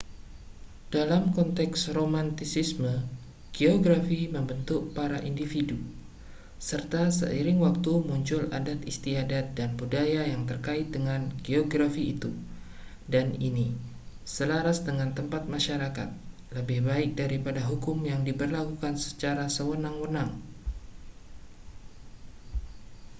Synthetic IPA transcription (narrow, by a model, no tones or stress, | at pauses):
d̥alamkɔnt̪ɛksromant̪isismə | ɡ̥eoɡɾafiməmbənt̪ʊk̚paɾaʔindifidu | sərt̪asə̰ʔiɾɪŋwak̚t̪umuɲt͡ʃʊla̰dat̪ist̪iadat̪̚danbudajajaŋt̪ərkaɪt̪̚dəŋanɡeoɡɾafiːt̪u | daninisəlaɾasdəŋant̪əmpat̪̚maʃaɾaka̰t̪̚ | ləbɪhbaɪk̚daɾipadaɦukʊmjaŋdibərlakukansə̥t͡ʃaɾasəwənaŋwənaŋ